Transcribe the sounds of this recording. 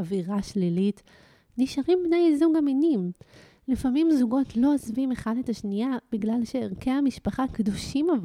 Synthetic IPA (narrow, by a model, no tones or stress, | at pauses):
aviʁaʃlilit | niʃaʁimbnajzuɡaminim | lifamimzuɡo̞tlo̞ozvime̞χadetaʃnijab̥iɡlalʃe̞ːʁkeamiʃpaχakduʃimav